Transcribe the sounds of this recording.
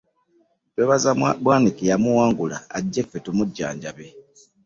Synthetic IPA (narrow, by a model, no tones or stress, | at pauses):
teβazabwaːnikijamuwaːŋɡula̰ːɟːefːetumuɟːa̰ːɲɟaβe